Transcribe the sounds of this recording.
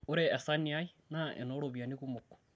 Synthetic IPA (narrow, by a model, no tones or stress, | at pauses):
oɾeːsaniainaʔḛnoɾoβjaniɣumoko̥